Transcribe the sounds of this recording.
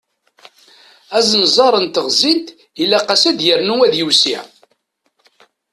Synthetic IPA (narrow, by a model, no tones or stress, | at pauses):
æzənzˤɑɾˤənt̪əʁzˤit̪ | ilːæqæsæd̪jəɾnuwæðjusiʕ